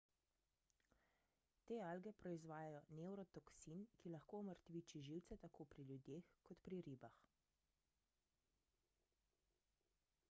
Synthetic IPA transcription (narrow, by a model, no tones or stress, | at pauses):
t̪eːalɡɛpɾɔizʋaːjajɔnɛwɾɔt̪ɔksinkilaxkoːɔməɾt̪ʋiːt͡ʃiʒiwt̪sɛt̪akʰoːpɾiljud̪jeːxkɔt̪pɾiɾiːbax